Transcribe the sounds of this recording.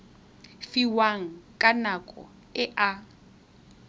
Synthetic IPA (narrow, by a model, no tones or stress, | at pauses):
fiwaŋ̩kʼanakʼɔ̰ | ɪʔa